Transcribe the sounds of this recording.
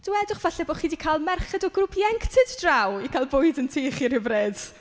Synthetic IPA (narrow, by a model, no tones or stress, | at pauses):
d̥ɪwɛdʊχv̥aɬɛboːχiːdikʰalˠmɛrχɛdɔɡrʊpʰjɛŋktʰɨdd̥rawikʰalˠbʊjdəntʰiːχirɪvreːd̥